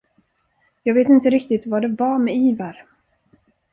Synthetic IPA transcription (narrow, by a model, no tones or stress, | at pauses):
jɑːɡveːt̪ɪnt̪əɾɪkt̪ɪt̪vad̪ɛvamɛiːvaɾ